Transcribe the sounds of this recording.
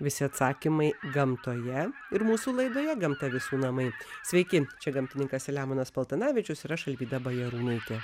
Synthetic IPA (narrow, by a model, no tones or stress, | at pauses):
ʋʲɪsʲɪɐt̪sɑːkʲimɐɪɡɐmt̪oːjɛ | ɪɾmuːsuːlˠɐɪd̪oːjɛɡɐmt̪ɐʋʲɪsuːnɐmɐɪsʲʋʲɛɪkʲɪt͡ʃʲɛɡɐmʲt̪ʲɪnʲɪŋkɐsʲɛlʲæːmoːnɐspɐlˠt̪ʲɐnɑːʋʲɪt͡ʃʲʊsiɾɐʃɐlʲbʲiːd̪ɐbɐjɛɾuːnɐɪt̪ʲe